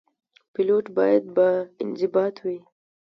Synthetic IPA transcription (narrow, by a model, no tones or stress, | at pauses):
pɪloʈbɑjad̪̚baɪnzɪbɑt̪ʰwi